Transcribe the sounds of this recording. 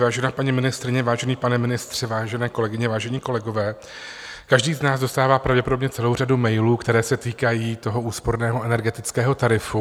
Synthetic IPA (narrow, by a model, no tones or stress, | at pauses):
vaːʒɛnaːpaɲimɪnɪst̪ɾɪɲɛvaːʒɛniːpanɛmɪnɪst̪r̝̥ɛvaːʒɛnɛːko̞lɛɡɪɲɛvaːʒɛɲiːko̞lɛɡo̞vɛː | kaʒdiːznaːzdo̞st̪aːvaːpɾavɟɛpo̞do̞bɲɛt͡sɛlo̞wr̝adumɛjluːkt̪ɛɾɛːsɛt̪iːkajiːt̪o̞ɦo̞ʔuːspo̞ɾnɛːɦo̞ɛnɛɾɡɛt̪ɪt͡skɛːɦo̞t̪aɾɪfu